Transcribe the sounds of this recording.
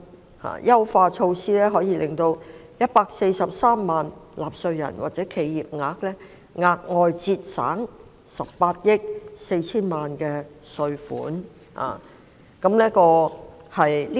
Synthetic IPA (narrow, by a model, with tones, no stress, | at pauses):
ha̰ː˧˩jɐ˥wfaː˧t͡ʃʰo˧wsiː˥lɛː˥ɦɔː˨˥jiː˧lɪ˨˩ŋt̪o˧wjɐ˥t̚paː˧k̚se˧jsɐ˨p̚saː˥mːaː˨nlaː˨˩p̚sɵ˧ɥjɐ̰˨˩nwʔaː˨˩t̚t͡sɛː˨˥kʰe˨˧jːiː˨p̚ŋaː˧k̚lɛː˥ | ŋaː˧k̚ŋɔː˨˧jt͡siː˧t̚sa̰ː˨˥ŋ | sɐ˨p̚ːaː˧t̚jɪ˥k̚se˧jt͡sʰiː˥nmaː˨nkɛː˧sɵ˧ɥfṵː˨˥n | ha̰ː˨˩ | kɐ˨˥mnɛː˥kɔː˧hɐ˨jliː˥